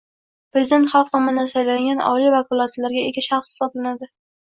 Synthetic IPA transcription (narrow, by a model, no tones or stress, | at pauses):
pɾezɪd̪e̞nt̪χɑlˠq̚t̪ʰɒmnd̪asajlaŋɡʲanɒ̰livakʰɒlˠat̪alaɾɡʲaeɡʲaʃɑχshɪ̥sɒblanad̪ɪ